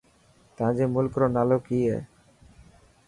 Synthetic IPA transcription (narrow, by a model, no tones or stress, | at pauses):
t̪ãd͡ʑemulkɾonalokijḛ